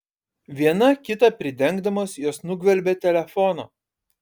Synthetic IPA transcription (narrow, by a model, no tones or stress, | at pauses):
ʋʲiɛnɐkʲɪt̪ɐpʲɾʲɪd̪ʲɛŋɡd̪ɐmoːsjoːsnʊɡʋʲɛlʲbʲɛːt̪ʲɛlʲɛfɔnoː